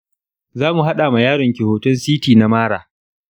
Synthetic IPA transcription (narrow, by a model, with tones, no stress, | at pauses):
zaː˦mu˨ɦa˦ɗaː˨ma˨jaː˦ɽɪ˨ŋkʲɪ˨hoː˨tʊ˦nsiː˦tiː˨na˨maː˦ɽaː˨